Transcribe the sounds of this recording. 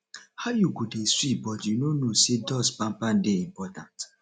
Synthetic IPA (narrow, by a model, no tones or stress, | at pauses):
hajuɡodeswibɔtjunonosedɔspãmpãndeimpɔtã̰nt